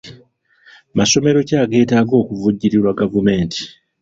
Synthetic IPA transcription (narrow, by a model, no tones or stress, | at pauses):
maso̞me̞ɾo̞caːɡe̞ːtaːɡo̞ːkuvuɟːiɾiɾwaɡavume̞ːnti̥